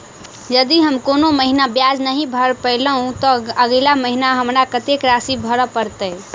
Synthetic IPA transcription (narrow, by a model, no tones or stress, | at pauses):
jəd̪iɦəmkonoməɦinabjad͡ʒnəɦĩbʱəɾpəɪləɦũt̪ɔəɡlaməɦinaɦəmɾakət̪ekɾasibʱəɾəpəɾt̪ə